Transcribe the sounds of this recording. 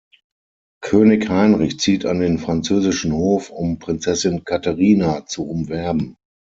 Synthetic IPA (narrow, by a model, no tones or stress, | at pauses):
kʰøːnɪçhaɪnʁɪçt͡siːtʰa̰ndeːnfʁ̥ant͡søːzɪʃn̩hoːfʊmpʁ̥ɪnt͡sɛsɪnkʰataʁiːnat͡suʊmvɛɐbm̩